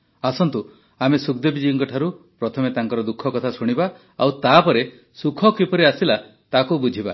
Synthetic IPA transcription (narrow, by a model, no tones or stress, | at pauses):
asɔnt̪u | amesukd̪ebid͡ʒiːŋkɔʈʰaɾupɾɔt̪ʰɔmet̪aŋkɔɾɔd̪ukʰːɔkɔt̪ʰasuɽ̃iba | awt̪apɔɾe | sukʰɔkipɔɾiasila | t̪akubud͡ʒʱiba